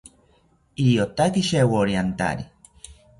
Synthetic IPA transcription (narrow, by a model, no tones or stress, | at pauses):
iɾijot̪akiʃewoɾiant̪a̰ɾi